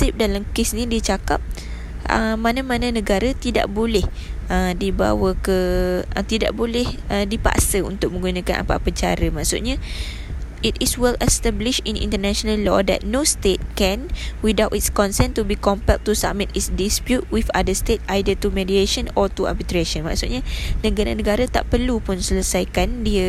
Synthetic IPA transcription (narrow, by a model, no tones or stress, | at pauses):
sip̚dalamkesnĩdit͡ʃakap̚ | ə̰mãnamãnãnə̃ɡaɾat̪ida̰ʔbolɛhədiba̰wəkət̪ida̰ʔbolɪhʔədipa̰ʔsəṵnt̪ʊk̚mə̃ŋɡunãka̰nʔa̰pa̰pət͡ʃaɾəmaʔsṵʔ̚ɲa | itiswɛləst̪ɛbliʃĩnḭ̃nt̪ənaʃonallɔ̰dɛ̰t̪̚nost̪et̪̚kɛ̃nwidawʔitskɔnsɛnt̪ubikɔmpɛk̚t̪usa̰mit̪isdispjut̚wifa̰dəst̪et̚ajdət̪umedieʃənɔt̪ua̰bit̪ɾeʃə̃nma̰ʔsut̪̚ɲanə̃ɡaɾanə̃ɡaɾat̪aʔpərlupʊnsələsajkandiə